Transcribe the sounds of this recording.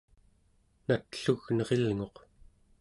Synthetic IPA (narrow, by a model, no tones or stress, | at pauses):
nat̪ɬuɣnʌʁe̞lŋo̞q